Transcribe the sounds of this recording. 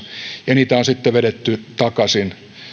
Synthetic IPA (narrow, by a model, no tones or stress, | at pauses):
jɑniːt̪æonsit̪ːeʋeɾet̪ːyt̪ɑkɑsin